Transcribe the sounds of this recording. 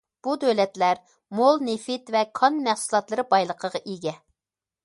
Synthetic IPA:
b̥ud̪øwlɛt̪læɾ | molˠnefɪt̪vɛkʰɑnmæχsulˠɑt̪lˠɨɾɨbɑjlˠəqʰəʁɑʔiɡʲɛ

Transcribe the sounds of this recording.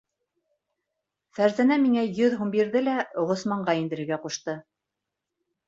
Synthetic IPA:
fæɾzænæmiŋæjɵðɦumbiɾðɘlæʁŏsmɑɴɢɑind̪ɘ̆ɾɘ̆ɾɡæquʃt̪ɤ

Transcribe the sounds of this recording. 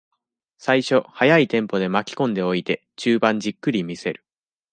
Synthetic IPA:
saiɕo̞hajait̪ẽ̞mpo̞d̪e̞makʲi̥kõ̞nd̪e̞o̞it̪e̞ | t͡ɕɨːbãɲ̟d͡ʑikːɯ̟ɾʲimʲise̞ɾɯ̟

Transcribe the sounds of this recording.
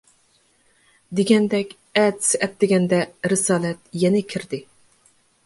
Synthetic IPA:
d̪eɡʲɛnd̪ɛkʲ | ɛd̪sɪʔɛt̪ːɪɡʲɛnd̪ɛɾɪsɑːlˠɛt̪̚jɛnɪkʲʰiɾd̪ɪ

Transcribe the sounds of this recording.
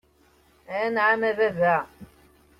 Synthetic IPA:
ænʕamæðævæ

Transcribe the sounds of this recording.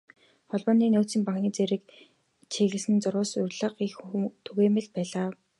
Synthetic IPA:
χɔɮpɔːniːnʊːt͡ssĭːŋpaŋkniːt͡seɾɘ̆k̚ | t͡ɕʰeɣɘ̆sɘ̆nt͡sʊɾʊːsʊrʲɮə̆qixt̪ʰɵɣeːmɘ̆ɮpæːɮaː

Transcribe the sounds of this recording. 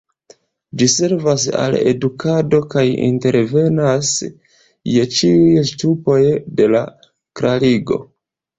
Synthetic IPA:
d͡ʒise̞ɾvasa̰le̞̰dukʰado̞kajḭnte̞ɾve̞nas | je̞t͡ʃiujstupo̞jde̞la | kɾaliɡo̞̰

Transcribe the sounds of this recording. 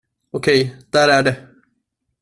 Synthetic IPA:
ɔkʰɛjd̪̥æːɾæɖɛ

